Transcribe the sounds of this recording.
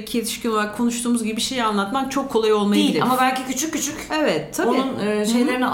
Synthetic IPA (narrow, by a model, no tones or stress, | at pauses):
cʰijet̪ʰi̥ʃcʲinolˠaɾakʰo̞nuʃt̪uːmuzɡɟibiiʃe̞janlˠat̪mamt͡ʃʰo̞kʰːo̞lˠajo̞lˠmajailʲia̰mabælʲcicyt͡ʃʰykʲcːyt͡ʃʰycevɛt̪ʰːaoniunːʃe̞jlʲeɾini